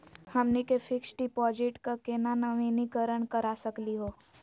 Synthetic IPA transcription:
hɐmnikefʰɪksʈipɔːd͡ʒɪʈkakeːnanɐʋinikəɾəɳkəɾasəkliɦoː

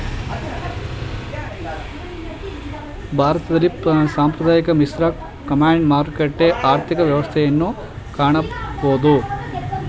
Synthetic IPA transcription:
bʱaːɾɐt̪ɐd̪ɐlːisaːmpɾɐd̪aːjɐkɐmisɾɐ | kɐmaːɳɖmaːɾkeʈːeʔaːɾt̪ʰikɐʋjɐʋɐst̪ʰɛjɐnːu | kaːɳɐboːd̪u

